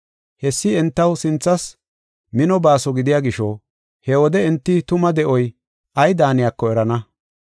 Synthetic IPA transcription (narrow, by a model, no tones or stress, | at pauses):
hɛsːɪɛnt̪ːɐwsɪnt͡sːɐs | mɪnɔbaːsɔɡɪd̪ɪjaːɡɪʃɔ | hɛwɔd̪ɛɛnt̪ːɪt̪ʊmɐd̪ɛʔɔj | ʔɐjd̪aːnɪjakːɔɛɾɐnɐ